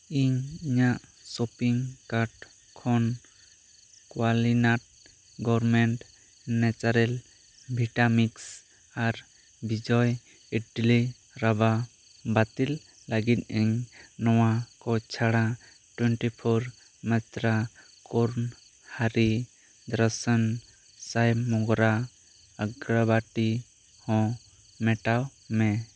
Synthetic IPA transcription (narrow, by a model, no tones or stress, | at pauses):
iɲiɲaʔsopiŋkaʈ | kʰɔn | kwalinaʈ̚ | ɡɔɾmɛɳʈ | nɛt͡ʃaɾɛl | bʱiʈamiks | aɾ | bid͡ʒɔj | ɛʈli | ɾaba | bat̪ilː | aɡit̪̚ˀʔɛɲnɔwakɔt͡ʃʰaɽ̃ã | ʈwɛɳʈipʰɔɾ | mɛt̪ɾa | koɾn | haɾi | d̪ɾəsən | sajmɔɡɾa | əɡɾabaʈi | hɔ̃ | mɛʈawmɛ̃